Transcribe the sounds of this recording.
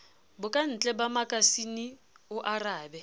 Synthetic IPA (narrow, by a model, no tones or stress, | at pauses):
bʊkʼan̩t͡ɬʼɛbamakʼasiniʊʔaraːbɛ